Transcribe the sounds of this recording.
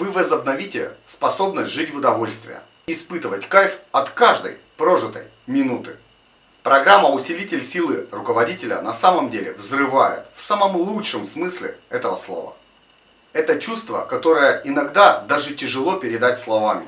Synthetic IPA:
vɨvəzəbnɐvʲitʲɪspɐso̞bnəsʲtʲʐɨtʲvʊd̪ɐvo̞lʲst̪vʲɪ̰jə̰ | ɪspɨt̪ɨvətʲkajfɐt̪kaʐd̪ə̰jpɾo̞ʐɨt̪ə̰j | mʲɪnut̪ɨ | pɾɐɡɾamːəʊsʲɪlʲitʲɪlʲsʲilˠɨrʊkəvɐdʲitʲɪlʲə̰nɐsaməmdʲelʲɪvzrɨvajɪ̰t̪fsaməmlˠutʂɨmsmɨsʲlʲɪ̰ɛt̪əvəslˠo̞̰və̰ | ɛt̪ət͡ɕust̪və̰kɐt̪o̞ɾəjəʔɪnɐɡd̪ad̪aʐɨtʲɪʐɨlˠo̞pʲɪɾʲɪd̪atʲslˠɐvamʲɪ̰

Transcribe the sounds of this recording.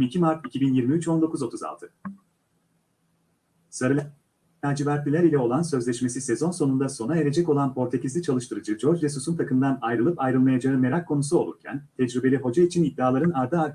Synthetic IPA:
micʰimaɾt̪icʰibinjiɾmiyt͡ʃo̞nd̪o̞kuzo̞t̪ʰuza̰lˠt̪ʰɯ | saɾɯlʲˠ | æɾd͡ʒivæɾt̪lʲilʲæɾilʲɛo̞lˠansø̞zlʲɛʃme̞sisezo̞nso̞nund̪aso̞naeɾe̞d͡ʒɛco̞lˠanpo̞ɾt̪ʰecizlʲit͡ʃʰalˠɯʃt̪ʰɯɾɯd͡ʒɯd͡ʒo̞ɾd͡ʒd͡ʒesusunt̪ʰakʰɯmd̪anajɾɯlˠɯpajɾɯlˠmajad͡ʒaɯme̞ɾakʰːo̞nusuo̞lˠṵɾcʰæ̰nt̪ʰɛd͡ʒɾibe̞lʲiɦo̞d͡ʒait͡ʃʰinid̪ːaːlˠaɾɯnaɾd̪ɯaɾ

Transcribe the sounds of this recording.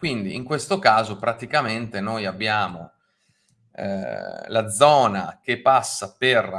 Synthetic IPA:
kwind̪iiŋkwest̪okaːzopɾat̪ikament̪enojabːjaːmo̰ | lad̪zɔːna̰k̟epːasːaper

